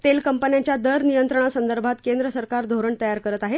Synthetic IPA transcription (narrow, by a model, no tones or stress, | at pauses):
t̪elkəmpənjaɲt͡ɕjad̪əɾnijənt̪ɾəɳ̃asənd̪əɾbʱat̪kend̪ɾəsəɾkaɾd̪ʱoɾəɳt̪əjaɾkəɾət̪aɦe